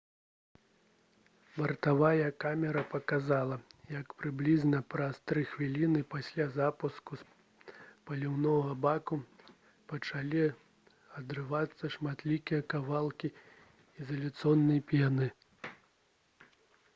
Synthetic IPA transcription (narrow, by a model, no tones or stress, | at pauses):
bɐrt̪avajɐkamʲɛɾɐpɐkazalˠɐjɐkpɾɨblʲiznɐpɾɐst̪ɾɨxvʲilʲinɨpasʲlʲazapuskus | pɐlʲiwnɔɣɐbaku | pɐt͡ʂalʲi | ɐd̪ɾɨvat̪sːɐʂmat̪lʲikʲijɐkavalˠkʲi | izɐlʲut̪sɔnːɨjpʲjanɨ